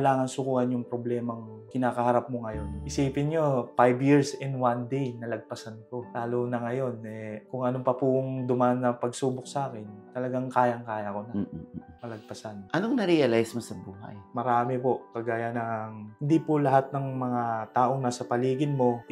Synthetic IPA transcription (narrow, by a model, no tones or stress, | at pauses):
kɐlaːŋɐnsʊkuːhɐnjʊŋpɾoblɛːmɐŋ | kɪnaːkɐhɐɾap̚moŋɐjo̞nʔɪsiːpɪnɲofajbjiɹsɪnwand̪ejnɐlɐɡ̚pɐsanko̞laːloːnɐŋɐjo̞nɛkʊŋɐnopɐpʊŋd̪ʊmaʔnːɐpɐɡsuːbok̚sɐʔaːkɪnt̪ɐlɐɡaŋkaːjɐŋkaːjɐkonɐmɐlɐɡ̚pɐsanʔɐnoŋnɐɾiɐlajsmosɐbuːɦa̰jmɐɾaːmɪpokɐɡaːjɐnɐŋhɪnd̪ipʊlɐɦat̪̚nɐŋmɐŋat̪aːʔo̞ŋnaːsɐpɐliːɡɪnmo̞